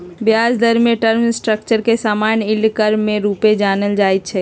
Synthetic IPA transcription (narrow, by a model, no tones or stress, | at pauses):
bjaːd͡ʒd̪əɾmẽʈəɾmsʈɾəkt͡ʃəɾkesaːmaːnɪlkəɾmːẽɾuːped͡ʒaːnəld͡ʒaːit̪̚t͡ʃʰɛ